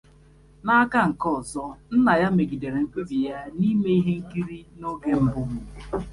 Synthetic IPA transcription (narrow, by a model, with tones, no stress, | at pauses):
na˦ka˦ŋ̩˨kɔ˦˨zɔ˦n̩˦na˨ja˦me˨ɡi˨de˨ɾe˨ŋ̩˦kʷe˦bi˨ja˦ni˦me˦i˦ɦe˦ŋ̩˦ki˦ɾi˦no˦ɡe˦m̩˦bʊ˦m̩˨